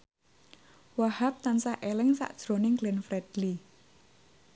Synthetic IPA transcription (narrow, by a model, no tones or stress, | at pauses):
wahap̚t̪ansaʔelɪŋsa̰ʔd̥ʒ̥ɾonɪŋɡlɛnfɾɛd̥li